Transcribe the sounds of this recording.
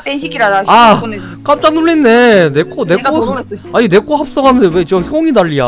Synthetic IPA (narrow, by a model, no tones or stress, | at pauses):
iɡɾaa | k͈am̚t͡ɕ͈aŋnuɭːinːe̞nek͈one̞k͈oaɲine̞k͈oɦap̚s͈ʌɡanɯndewet͡ɕiʌçʰoŋidaʎːija